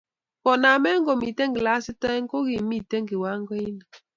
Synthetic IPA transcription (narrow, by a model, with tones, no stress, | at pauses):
kɔ˨na˨me˦ŋ̩˦ɡɔ˨mi˨te˦ŋ˦ɡi˨la˨˦si˦ta˦ŋ̩˦ko˦ɣi˨mi˦˨te˦ŋɡi˨wa˨˦ŋ˦ɡɔ˦i˦na˨